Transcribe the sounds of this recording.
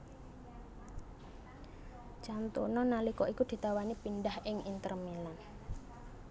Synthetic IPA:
t͡ʃant̪ṵnɔnalikɔʔikud̪̥i̤t̪awanipinɖahʔɪŋint̪ərmilan

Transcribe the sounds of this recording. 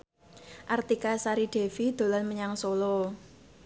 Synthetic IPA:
ʔart̪ikasaɾiɖ̥ɛ̤fid̪̥o̤lanməɲaŋsolo

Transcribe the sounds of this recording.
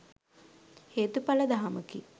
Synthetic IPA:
heːt̪upɐləd̪aɦɐməkḭ

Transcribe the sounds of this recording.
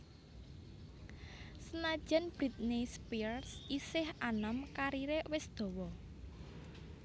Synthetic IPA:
sənad̥ʒ̥a̤nb̥ɾit̪̚nispirsisɪhanəmkaɾiɾewɪsd̪̥o̤wɔ

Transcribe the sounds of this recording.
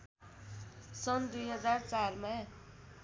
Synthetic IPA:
sʌnd̪ujɦʌd͡zart͡sarma

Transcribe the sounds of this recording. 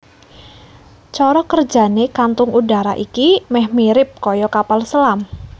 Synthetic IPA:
t͡ʃɔɾɔkərd͡ʒa̤nekant̪ʊŋuda̤ɾaʔikimɛhmiɾɪp̚kɔjɔkapalsəlam

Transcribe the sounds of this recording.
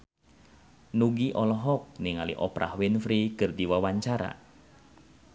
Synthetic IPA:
nuɡiʔɔlɔɦɔk̚niŋalḭʔɔpɾʔa̰hwɪnfɾikɨrdiwawaɲt͡ʃaɾa̰

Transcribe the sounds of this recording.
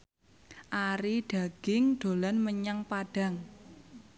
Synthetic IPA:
ʔaɾiɖ̥a̤ɡ̥ɪŋɖ̪̥o̤lanməɲaŋpaɖ̥a̤ŋ

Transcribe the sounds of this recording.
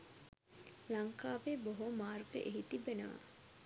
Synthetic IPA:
laŋkaːʋeboɦomaːrɡə̰ʔeɦit̪ibenə̰ʋa̰

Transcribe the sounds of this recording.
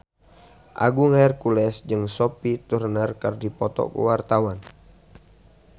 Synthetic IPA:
ʔa̰ɡuŋaɛrkulɛsd͡ʒɨŋsopit̪urnərkərdipɔt̪ɔ̰kṵwart̪awan

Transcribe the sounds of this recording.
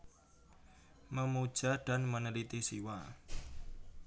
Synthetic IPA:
məmud̥ʒ̥a̤ɖ̥a̤nmənəlit̪isiwa

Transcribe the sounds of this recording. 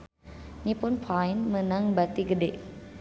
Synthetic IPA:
nipʊnpʰajnmənaŋbat̪iɡədeʔ

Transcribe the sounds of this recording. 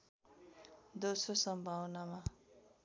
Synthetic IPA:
d̪ososʌmbʱawnama

